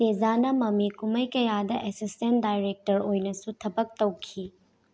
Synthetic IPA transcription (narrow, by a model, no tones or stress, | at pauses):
tezanɐmɐmikumɐjkɐjadɐʔesisten̚dajɾek̚tɐɾojnɐsutʰɐbɐk̚tɐwkʰi